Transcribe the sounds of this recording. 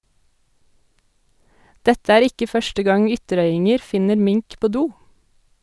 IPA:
ˈdɛtə ˈæːɾ ˈɪkə ˈfœʃtə ˈɡɑŋ ˈʏtəˌɾœʏɪŋəɾ ˈfɪnəɾ ˈmɪŋk ˈpoː ˈduː

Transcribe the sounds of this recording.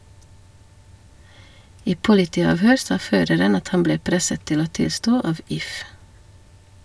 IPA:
ˈiː ˈpʊlɪtiːɑːʋˌhøːɾ ˈsɑː ˈføːɾəɾən ˈɑt ˈhɑm ˈbleː ˈpɾɛsət ˈtɪl ˈoː ˈtɪlˌstoː ˈɑʋ ˈɪf

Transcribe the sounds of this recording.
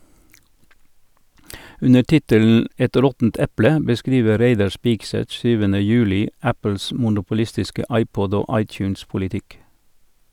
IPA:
ˈʉnə ˈʈɪtəln̩ ˈɛt ˈɾɔtn̩t ˈɛplə bəˈskɾiːʋə ˈɾeɪdɑ ˈspɪɡˌsɛt ˈsyːʋənə ˈjʉːlɪ ˈæpl̩s mʊnʊpʊˈlɪstɪskə ˈɑɪˌpɔd ˈoː ˈɑɪˌtjʉːnspʊlɪˌtɪk

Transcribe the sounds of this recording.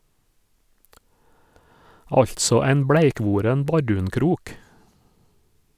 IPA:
ˈɑʎtsɔ ˈæɪn ˈbɽæɪˌkʋuːɾɛn ˈbɑɖʉːnˌkɾuːk

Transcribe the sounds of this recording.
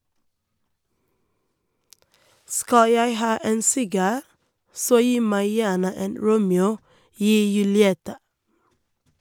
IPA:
ˈskɑ ˈjæɪ ˈhɑː ˈeːn ˈsɪɡɑː ˈsoː ˈjiː ˈmæɪ ˈjæːɳə ˈeːn ˈɹuːmɛuː ˈyː jʉlɪˈɛtɑ

